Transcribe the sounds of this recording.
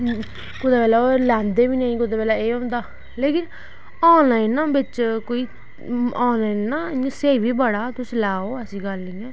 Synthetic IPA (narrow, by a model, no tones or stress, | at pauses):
kʊd̪aːpɛːlaːolɛ̃ːnd̪eːʋiːnəːĩːkʊd̪eːpɛːlaːeːɦõːnd̪aː | leːkɪn | ɔːnlaːinːãːbɪt͡ʃkoːiː | ɔːnlaːinːãːseːʋiːbəɽaːt̪ʊslaːoːəsĩːɡəlːĩɛ̃ː